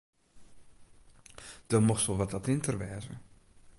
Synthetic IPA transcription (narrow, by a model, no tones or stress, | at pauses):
d̥ɔmɔxtɔlˠʋɔtatɪntərʋɛːzə̰